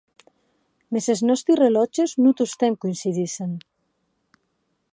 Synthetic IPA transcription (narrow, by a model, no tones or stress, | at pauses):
meseznɔst̪ɾirelɔt͡ʃeznut̪ust̪eŋkuinsiðisen